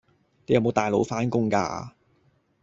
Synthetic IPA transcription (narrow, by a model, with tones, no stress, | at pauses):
t̪e˨˧jɐ˧wmo˨˧wt̪aː˨jlo˨˧˥wfaː˧˥nkʊ˥ŋka̰ː˧